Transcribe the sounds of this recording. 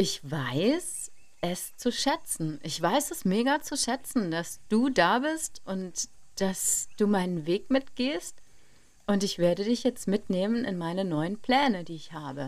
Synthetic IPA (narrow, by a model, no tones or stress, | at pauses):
ʔɪçv̥aɪs | ʔɛst͡suʃɛt͡sn̩ʔɪçv̥aɪsɛsmeːɡat͡suʃɛt͡sn̩dasd̥uːdaːbɪstʔʊnt | d̥asd̥uːmaɪnənveːkmɪtɡ̥eːst | ʔʊntɪçv̥eːɐɾədɪçjɛt͡stmɪtneːmənɪ̰nmaɪnənɔʏənpl̥ɛːnədiːɪçhaːbə